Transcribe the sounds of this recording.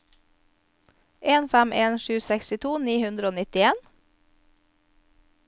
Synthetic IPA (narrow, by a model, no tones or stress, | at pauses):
ʔeːnfæmʔeːnʃʉːsɛkst̪ɪt̪ʰuːniːhʉnd̪ɾəoːnɪt̪ɪeːn